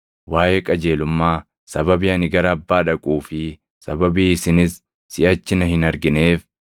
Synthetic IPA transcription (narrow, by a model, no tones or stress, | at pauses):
waːjekʼɐd͡ʒe̞ːlʊmːaː | sɐbɐbiːɐnɪɡɐɾɐːbːaːᶑɐkʼuːfɪ | sɐbɐbiːɪsɪnɪsː | ɪʔɐt͡ʃːɪnɐhɪnɐɾɡɪne̞ːf